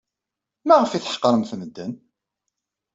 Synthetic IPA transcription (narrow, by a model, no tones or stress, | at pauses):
mæʁəfiθə̥ħqːɾˤəmθnəd̪ːən